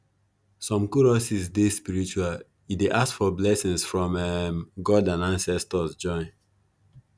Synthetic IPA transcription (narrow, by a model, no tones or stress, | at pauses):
sɔ̃mkuɹɔsizdespiɹit͡ʃual | ideʔasfɔblɛsĩŋsfɹɔ̃mɛmɡɔdãnãnsɛstɔsd͡ʒɔ̃ɪ̃n